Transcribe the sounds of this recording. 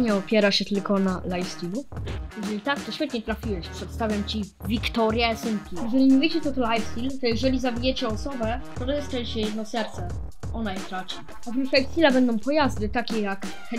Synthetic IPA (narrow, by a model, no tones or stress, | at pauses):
ɲɛɔpʲjɛɾaɕɛt̪ɘlkɔnalajfst̪ilujɛʐɛlʲit̪akt̪ɔɕfʲɛt̪ɲɛt̪ɾafʲiwɛɕpʂɛt̪st̪avʲjamt͡ɕivʲikt̪ɔɾʲjaɛsɨmkʲijɛʐɛlʲiɲuvʲɛt͡ɕɛt̪ɔt̪ɔlajfst̪ʲilt̪ɔjɛʐɛlʲizabʲijɛt͡ɕɛɔsɔbɛt̪ɔd̪ɛɛstɛɲt͡ɕɛjɛd̪nɔsɛɾt̪sɛ | ʔɔnajt̪ɾat͡ʂi | aviflajfst̪ilabɛnd̪ɔ̃w̃pɔjazd̪ɘt̪akʲɛjakt̪ɛ